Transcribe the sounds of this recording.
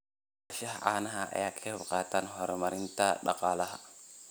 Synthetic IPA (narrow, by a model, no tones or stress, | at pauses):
aʃahaʔa̰ːnaɦaʔa̰jakʰɛɾbqaːtanɦɔɾɔmaɾintaɗɑ̰qaːlɐɦa